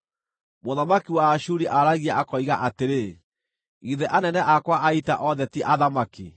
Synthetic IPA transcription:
moðamakiwaːʃuɾiʔaɾaɣiaʔakɔiɣaʔateɾe | iðɛʔanɛnɛʔakwaʔaitaʔɔðɛtiʔaðamakḭ

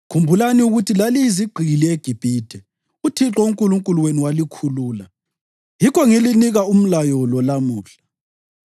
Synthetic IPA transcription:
kʰumbʱulaniuɣutʰilaliziɡ͡ǃʱilieɡ̥ʱib̥ʱiːd̥ʱɛ | utʰiǁɔuŋkʼuluŋkʼuluweniwalikʰuluːla̰ | jikʰɔŋeliniɣaum̩lajɔlɔlamuːɬḁ

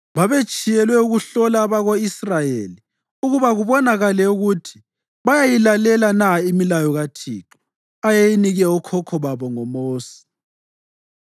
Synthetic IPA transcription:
βaβet͡ʃʼijɛlwɛuɣuɬɔlaːβaɣoisrajḛli | uɣuβaɣuβɔnaɣalɛuɣutʰi̥ | βajajilalɛlanaimilajɔɣatʰḭːǁɔ̥ | ajejiniɣɛɔkʰɔkʰɔβaβɔŋɔmoːsi̥

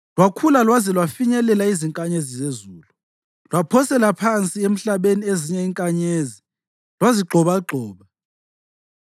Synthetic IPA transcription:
lwakʰulalwazɛlwafiɲɛlɛlaiziŋkʼaɲezizezuːlu | lwapʰɔsɛlapʰant͡sʼiem̩ɬaɓenieziɲɛiŋkʼaɲezi | lwaziɡ͡ǃʱɔβaɡ͡ǃʱɔːβa

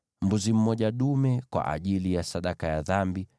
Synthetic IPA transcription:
m̩buzim̩mɔʄaɗumɛkwa̰ʔa̰ʄilijasaɗakajaðambi

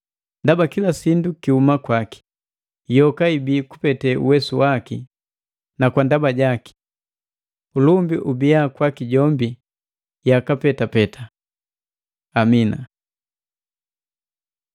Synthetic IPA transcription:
ndabakilasindukihumakwaki̥ | jɔkaibiːku̥pɛtɛṵwɛsuwaki | nakwandabaɟaki̥ | ulumbiʔubiakwakiɟɔmbi | jakapɛtapɛtʰa | amina̰

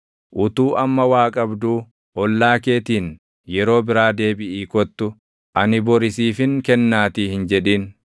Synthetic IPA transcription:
ʔʊt̪uːʔɐmːɐwaːkʼɐbd̪uː | ʔɔlːaːke̞ːt̪iːn | jɛɾo̞ːbɪɾaːd̪eːbɪʔiːkɔt̪ːʊ | ʔɐnɪbɔɾɪsiːfɪŋkɛnːaːt̪iːhɪnd͡ʒɛᶑiːn

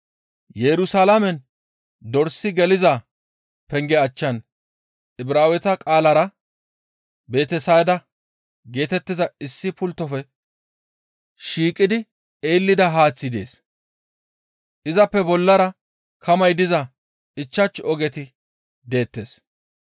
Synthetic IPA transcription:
jɛɾʊsaːlamɛn | d̪ɔɾsɪɡɛlɪzɐ | pɛŋɡɛɐt͡ʃːɐn | ɪbɾaːwɛt̪ɐkʼaːlɐɾɐ | be̞ːt̪ɛsajd̪ɐ | ɡe̞ːt̪ɛt̪ːɪzɐɪsːɪpʊlt̪ːɔfɛ | ʃiːkʼːɪd̪ɪ | eːlːɪd̪ɐɦaːt͡sːɪd̪e̞ːs | ʔɪzɐpːɛbɔlːɐɾɐ | kʰɐmɐjd̪ɪzɐ | ɪt͡ʃːɐt͡ʃːɔɡɛt̪ɪ | d̪e̞ːt̪ːeːs

